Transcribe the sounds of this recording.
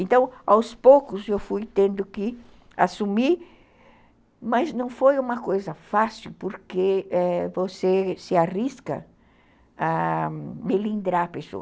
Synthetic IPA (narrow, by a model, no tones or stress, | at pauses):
ẽnt̪ɐ̃w̃awspokʊsewfujt̪ẽnd̪ʊkɪ | a̰sumiɾ | maznɐ̃w̃fojũmɐkojzɐfasiwpoɾkeɛvosesɪariskɐ̰ | a | melĩnd̪ɾapeso̰